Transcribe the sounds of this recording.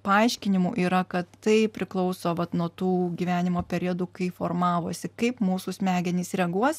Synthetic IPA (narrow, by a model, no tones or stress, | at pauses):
pɐɐɪʃʲkʲɪnʲɪmuːʔiːɾɐkɐt̪tɐɪpʲɾʲɪklˠɒʊsoːʋɐt̪nuɔt̪uːɡʲiːʋʲæːnʲɪmoːpʲɛɾʲiɛd̪uːkɐɪfoːrmɑːʋoːsʲɪkɐɪpmuːsusʲmʲæːɡʲɛnʲiːsɾʲɛɡuɔs